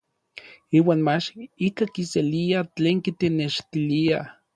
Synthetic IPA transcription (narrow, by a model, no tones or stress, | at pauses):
iːwaːnmat͡ʃikakiseliat͡ɬeːŋkit̪eneʃt̪ilia